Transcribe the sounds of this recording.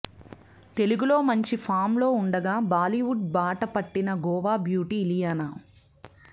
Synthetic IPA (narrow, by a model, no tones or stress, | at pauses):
t̪e̞luɡulo̞ːmɐɲt͡ʃipʰaːmlo̞ːuɳɖɐɡaːbaːliʋuʈ̚baːʈɐpɐʈːinɐɡɔːʋaːbjuːʈiːlijana